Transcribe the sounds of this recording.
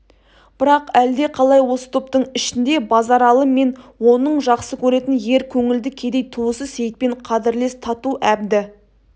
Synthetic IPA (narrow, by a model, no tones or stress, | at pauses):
b̥ɪɾɑqæld̪e̞qʰɑlˠɑjwo̞sə̥t̪ʰʊp̚t̪əɴɪʃɪnd̪e̞bɑzɑɾɑlˠəme̞nwo̞nəɴʒɑqsəkʲʰɵɾe̞t̪ɪnje̞ɾkʲʰɵŋɪld̪ɪkʲʰe̞d̪ejt̪ʰuəsəzse̞jt̪̚pe̞ɴqʰɑd̪ɪɾle̞st̪ʰɑt̪uʔæbd̪ɪ